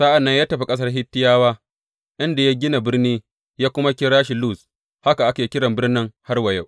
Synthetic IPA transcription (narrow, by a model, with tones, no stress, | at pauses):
sa˦ʔa˨nːɐ˦ɲjaː˦tɐ˨ɸi˦kʼɐ˦s̬ɐ˦rɦɪ˦tːɪ˦jaː˦waː˦ | ʔɪ˦nda˨ja˦ɡʲɪ˦na˨bɪ˦rniː˦ | jaː˦kʷʊ˦ma˦kʲɪ˦ɽaː˦ʃi˨luː˦˨s | ha˦ka˨ʔa˦kaː˨kʲɪ˦ɽɐ˨mbɪ˦rnɪ˦ŋha˦rwa˨ja˦˨w